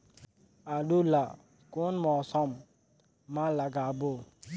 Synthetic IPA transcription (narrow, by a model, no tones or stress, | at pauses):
aɖula | konmɔːsɔmː | ãlaɡabo